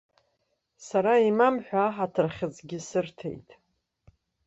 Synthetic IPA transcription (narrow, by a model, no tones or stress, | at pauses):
saɾaimamħʷᶣaːħatʰɨrχʲɨt͡sʼɡʲɪsɨrtʰḛjtʼ